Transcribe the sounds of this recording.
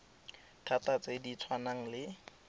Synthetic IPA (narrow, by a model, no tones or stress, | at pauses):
tʰatat͡sʼedit͡sʰwanaŋ̩lɪ